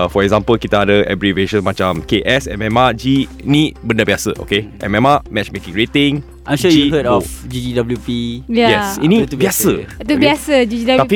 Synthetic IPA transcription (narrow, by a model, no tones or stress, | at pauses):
fɔɛkzãmpəlkit̪əadəʔɛ̰bɹiveʃə̃nmat͡ʃãmkeʔɛsɛ̰̃mɛ̃mad͡ʒi | nitbəndəbiasə̰ʔo̰keʔɛ̰̃mɛmamɛt͡ʃmekĩŋɹet̪ɪ̃ŋ | ãjmʃʃud͡ʒjuihətɔfd͡ʒid͡ʒidabəljupijajɛsinibiasət̪ubiasəd͡ʒid͡ʒidat̪afi